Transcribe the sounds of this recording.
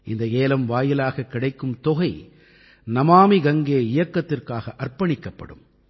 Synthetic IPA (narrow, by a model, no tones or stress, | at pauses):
ʔɪnd̪ɐeːlɐmʋaːjɪlaːɣɐkːɪɽɐɪkːɯmt̪ɔɣɐɪ | nɐmaːmiɡɐŋɡeːɪjɐkːɐt̪ːɪrkaːɣɐʔɐrpɐɳɪkːɐpːɐ̰ɽɯ̰m